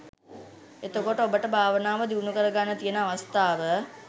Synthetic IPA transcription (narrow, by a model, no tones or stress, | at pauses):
et̪əkoʈəobəʈəbʱaːʋənaːʋəd̪iunukəɾəɡanːət̪ijənəaʋast̪aːʋə